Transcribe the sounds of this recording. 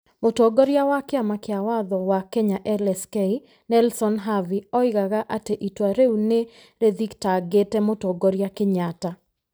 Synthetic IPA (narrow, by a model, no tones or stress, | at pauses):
motoɡoɾjawakɪamakɪawaðɔwakɛɲaʔɛlɛskɛi | nɛlsɔnɦaviɔɪɡaɣaʔateʔitwaɾeune | ɾeðiktaɡetɛmotɔɡoɾjakɪɲata